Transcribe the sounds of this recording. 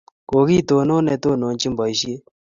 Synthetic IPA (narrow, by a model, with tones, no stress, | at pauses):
koːɡiː˦t̪oː˨noː˦ne˨t̪oː˦noː˨nt͡ʃi˦mbʱɔ˨jɕi˦e˦